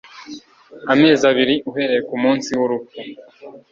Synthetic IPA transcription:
ame̞ːzaβiɾiʔuɦe̞ɾejekumuːnsiwoɾubjo

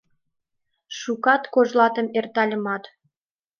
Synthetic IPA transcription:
ʃukɑt̪koʒlɑt̪ə̆mert̪ɑlʲə̆mɑt̪

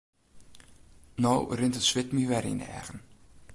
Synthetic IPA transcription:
nowrɪntətsʋɪtmyʋɛɾḭnɛ̰ɣən

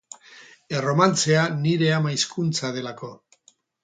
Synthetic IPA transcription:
e̞ro̞mant͡se̞aniɾe̞amaiskunt͡saðe̞lako̞

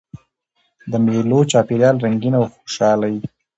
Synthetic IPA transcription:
d̪əmelot͡ʃɑpeɾjɑlɾaŋɡinawxo̥ʃɑlaji

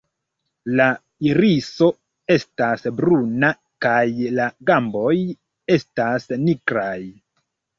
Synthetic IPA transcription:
la | iɾiso̞ | e̞stasbɾuna | kajlaɡambo̞j | e̞stasnikɾaj

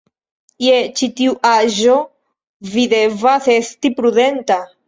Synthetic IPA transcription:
jet͡ʃitiuʔaʒo | videvase̞stipɾuðe̞nta

